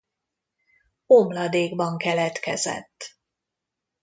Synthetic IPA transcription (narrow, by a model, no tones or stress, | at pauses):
omlɒd̪eːɡbɒŋkɛlɛt̪kɛ̰zɛ̰t̪ː